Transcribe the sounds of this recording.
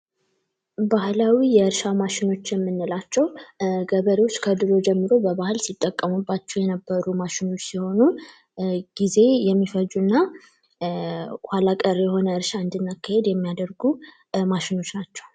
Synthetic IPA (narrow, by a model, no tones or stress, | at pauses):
bahlawijɛɨɾʃamaʃɪno̞t͡ʃːjɛmːɨnːɨlat͡ʃːɛwɡəβəɾewot͡ʃːkʰəd̪ɨɾo̞d͡ʒɛmːɨɾo̞bəβahɨlsit̪ʼːəkʼːəmubːat͡ʃːɛwjɛnəbːəɾumaʃɪno̞t͡ʃːsiho̞nu | ɡ̥ize̞jɛmːifəd͡ʒuɨnːa | kʷalakʼəɾjɛho̞nəɨɾʃaɨnd̪ɨnːakʰːahe̞d̪jɛmːijad̪əɾɡu | maʃɪno̞t͡ʃːnat͡ʃːɛw